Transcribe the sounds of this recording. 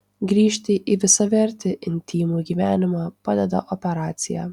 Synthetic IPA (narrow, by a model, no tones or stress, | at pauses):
ɡɾʲiːʃʲt̪ʲɪʔiʋʲɪsɐʋʲɛɾʲt̪ʲɪʔɪnʲt̪ʲiːmuːɡʲiːʋʲæːnʲɪmɑːpɑːd̪ʲɛd̪ɐ̰ʔɔpʲɛɾɑːt̪sʲɪjæ̰ː